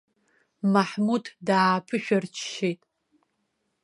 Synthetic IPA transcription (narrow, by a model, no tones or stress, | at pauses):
maħmuddaːpʰɨʃᶣʷart͡ʃʰʃejtʼ